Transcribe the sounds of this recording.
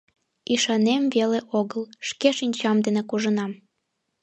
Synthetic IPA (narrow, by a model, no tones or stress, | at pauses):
iʃɑnemveleʔoɣəlʃkeʃinʲt͡ɕɑmd̪enekuʒənɑm